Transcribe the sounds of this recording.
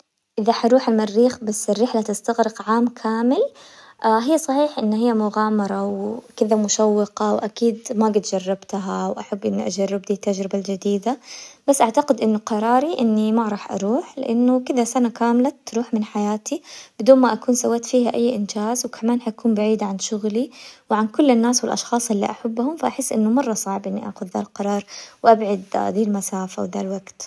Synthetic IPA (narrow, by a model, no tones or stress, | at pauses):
ʔɪðaħɑɾˤuːħɪlmarːiːxbasːɪrːɪħlat̪ɪst̪aɣɾɪqʕaːmkʰaːmɪl | ʔaɦɪjːsˤɑħiːħʔɪnːhɪjːamʊɣaːmɑɾˤɑwkɪðamʊʃawːɪqɑwʔakiːd̪maɡɪt̪d͡ʒɑrˤːɑbt̪aɦawʔaħabːʔɪnːiʔad͡ʒɑrˤːɪb̚d̪iːt̪ːad͡ʒɾɪbald͡ʒad̪iːd̪ab̥asːʔaʕt̪aqɪd̪ʔɪnːʊqɑɾˤɑːɾiʔɪnːimaɾˤɑːħʔɑ̰ɾˤuːħlɪ̰ʔanːʊkɪd̪asanakaːmlat̪ːɾˤuːħmɪnħajaːt̪ib̥ɪd̪uːnmaʔakuːnsawːaːt̪fiːhaʔajːʔɪnd͡ʒaːzwkʰamaːnħajkuːmbaʕiːd̪ʕanʃʊɣliwɪʕankʊlːɪnːaːswɪlʔɑ̰ʃxɑːsˤʔɪlːḭʔaħabːhʊmfaʔaħɪsːʔɪnːʊmɑrˤːɑsˤɑʕbʔɪnːiʔa̰ːxʊd̪ða̰lqɑɾˤɑːɾˤwʔabʕad̪d̪iːlmasaːfawɪðalwaɡt̪